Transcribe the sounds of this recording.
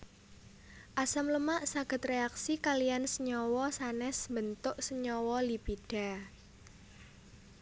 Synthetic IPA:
ʔasəmləmaʔsaɡ̥ə̤t̪reaksikalijansəɲɔwɔsanɛsmbənt̪ʊʔsəɲɔwɔlipiɖ̥a̤

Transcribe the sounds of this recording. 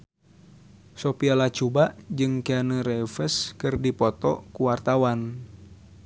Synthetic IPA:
sopialat͡ʃubaʔd͡ʒɨŋkeanəɾɛfəskɨrdipɔt̪ɔkuwart̪awan

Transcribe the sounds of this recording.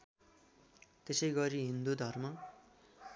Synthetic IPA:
t̪esʌjɡʌɾiɦind̪ud̪ʱʌrmʌ

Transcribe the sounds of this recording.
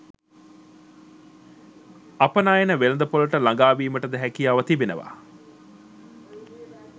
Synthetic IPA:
ɐpɐnaːjenəʋelɐnd̪ɐpolɐʈəlɐŋɡaːʋiːməʈəd̪ɛɦækijaːʋɐt̪ibenə̰ʋa̰ː

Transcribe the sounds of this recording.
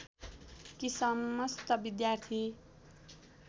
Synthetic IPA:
kisʌmʌst̪ʌbid̪jart̪ʰi

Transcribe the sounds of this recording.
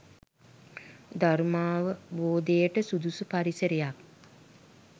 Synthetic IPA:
d̪armaːʋəboːd̪ejəʈəsud̪usupaɾisəɾejak̚

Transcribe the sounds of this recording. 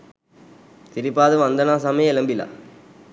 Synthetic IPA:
t̪ɪɾɪpːaːðɯʋɐnd̪ɐnaːsaːmeːjɛlɐmbɪla̰

